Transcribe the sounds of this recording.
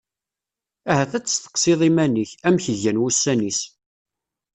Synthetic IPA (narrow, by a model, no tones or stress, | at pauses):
æhæθæt͡sːsθə̥qsˤiðˤimænəçæmçəʝænwusːænis